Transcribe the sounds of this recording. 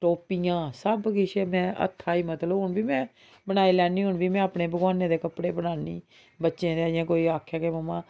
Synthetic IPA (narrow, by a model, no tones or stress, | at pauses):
ʈoːpiːjãːsəbɡɪʃeːmɛ̃ːʔə̰t̪ʰːaːiːmət̪ləbʊɳbiːmɛ̃ː | bəɽ̃aːiːlɛːniːɦʊɳbiːmɛ̃ːaːpneːbəɡwaːnẽːd̪eːkəpɽeːbəɽaːnḭː | bətːʃẽːd̪eaːãːkoːiːaːkʰːjaːkeməmãː